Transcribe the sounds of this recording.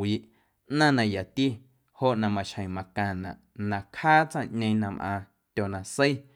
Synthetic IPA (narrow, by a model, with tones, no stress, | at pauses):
iː˨ʔ | ʔnã˦nã˧ja˨t̪i˦ | ho˦˨ʔnã˧mã˧ʃhə̃˨j̃mã˨kã˧˨nã̰˨ʔnã˧khaː˦t͡sã˦˨ʔɲẽ˧nã˧mʔã̰ː˧ | t̪ʲo˨nã˧sə˦i˦